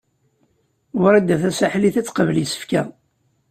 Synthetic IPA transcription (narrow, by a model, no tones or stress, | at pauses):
wɾæd̪æθæsaħliθæt͡sːqəvlisə̥fkæ